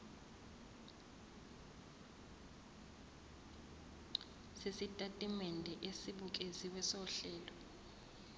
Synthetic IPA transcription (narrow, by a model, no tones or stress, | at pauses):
sesitʼatʼimɛndʱɛʔesiɓuk̬ʼesiwɛsɔɬɛːlɔ